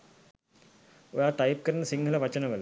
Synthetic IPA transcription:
ojaːʈajp̚kəɾɐnːəsiŋɡʱəlɐʋɐt͡ʃənəʋəl

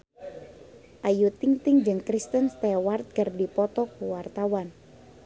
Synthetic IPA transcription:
ʔajut̪iŋt̪ɪŋd͡ʒɨŋkɾist̪ənst̪ɛwart̪̚kərdipɔt̪ɔkuwart̪awan

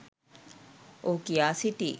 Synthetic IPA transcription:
ʔokiaːsiʈiː

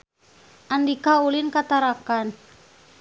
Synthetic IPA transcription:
ʔandikaulinkat̪aɾakan

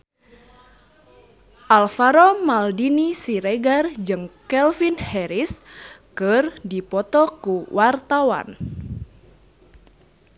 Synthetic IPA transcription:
ʔalfaɾɔmaldinisiɾeɡard͡ʒɨŋkɛlfinhɛɾiskɨrdipɔt̪ɔkuwʔart̪awa̰n

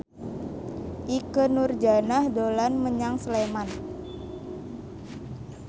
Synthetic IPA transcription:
ʔikənurd͡ʒanahdolanməɲaŋsəleman

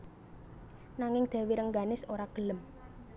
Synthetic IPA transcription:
naŋɪŋd̪̥e̤wiɾəŋɡanɪsoɾaɡ̥ə̤ləm

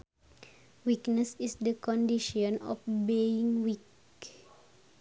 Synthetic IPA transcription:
wiknəsisdəkɔ̃ndiʃɔ̃nɔ̰fbeĩŋwik

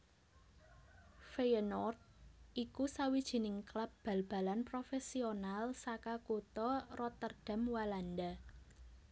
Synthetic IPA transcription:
feənɔrt̪̚ʔikusawid̥ʒ̥i̤nɪŋklap̚b̥a̤lb̥a̤lanpɾofesionalsakakut̪ɔrɔt̪ərd̥a̤mwaland̪a

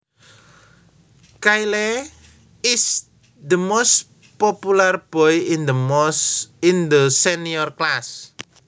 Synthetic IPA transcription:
kajlɛ | ɪs | d̪əmos | popularb̥ɔjndə | ɪnd̪əsɛniɔrklas

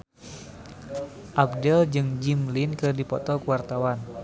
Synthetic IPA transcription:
ʔab̚dɛld͡ʒɨŋd͡ʒimlɪnkɨrdipɔt̪ɔkuwart̪awan

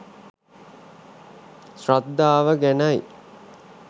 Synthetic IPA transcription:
sɾad̪ːaːʋəɡænaj

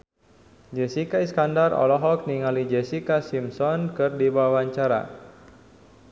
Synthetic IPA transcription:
d͡ʒɛsikaiskandarɔ̰lɔɦɔk̚niŋalid͡ʒɛsikasimsɔnkɨrdibawaɲt͡ʃaɾa̰

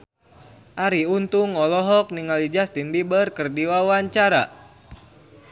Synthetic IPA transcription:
ʔaɾiunt̪uŋɔlɔɦɔk̚niŋalid͡ʒast̪inbibərkɨrdiwawaɲt͡ʃaɾa̰

